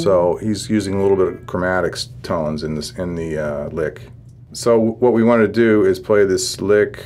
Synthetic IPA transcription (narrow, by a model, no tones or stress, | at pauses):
soʊhizjʉzɪ̃ŋəlɪɾl̩ˠbɪɾʌvɡ̥ʰɹəmæɾɨkstʰõʊ̃nzɨ̃nðɪsɪ̃nðɨʌlɪk | soʊwʌt̚wiwɑ̃ntɨdɨɪz̥pʰl̥eɪðɪslɪk